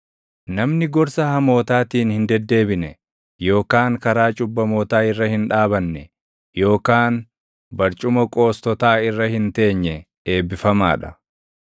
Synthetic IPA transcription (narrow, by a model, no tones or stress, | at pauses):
nɐmnɪɡɔɾsɐhɐmo̞ːt̪aːt̪iːnhɪnd̪ɛd̪ːe̞ːbɪnɛ | jo̞ːkaːŋkɐɾaːt͡ʃʼʊbːɐmo̞ːt̪aːɪrːɐhɪnᶑaːbɐnːɛ | jo̞ːkaːn | bɐɾt͡ʃʼʊmɐkʼo̞ːst̪ɔt̪aːɪrːɐhɪnt̪e̞ːɲːɛ | e̞ːbːɪfɐma̰ːᶑɐ̥